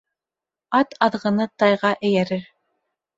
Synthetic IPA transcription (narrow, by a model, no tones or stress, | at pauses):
ɑt̪ɑðʁɤ̆nɤt̪ɑjʁɑʔɘ̆jæɾɘɾ